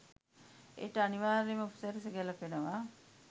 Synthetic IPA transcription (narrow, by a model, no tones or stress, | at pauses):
ḛːʈəaniʋaːɾeməofi̥səɾseɡɛlɐpenəʋa